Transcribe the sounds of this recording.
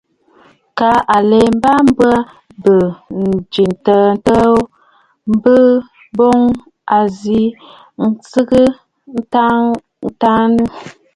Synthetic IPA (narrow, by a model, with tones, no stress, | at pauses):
ka˨˦ʔa˨le˨m˦ba˦m˦bə˦ | bə˨n˨d͡ʒi˨n˨tə˨n˦tə˦ | m̩˦bə˦ | bo˦ŋ | a˨zi˦ | n̩˦t͡sɨ˦ɣɨ˦ | ta˦ | ta˦nə˦